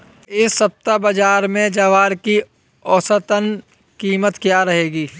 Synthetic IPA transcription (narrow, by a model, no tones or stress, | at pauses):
ɪsːɐp̚t̪abəd͡ʒaːɾmẽd͡ʒaʋaːɾki | ɔːsət̪ən | kiːmət̪kjaɾɐɦeːɡiː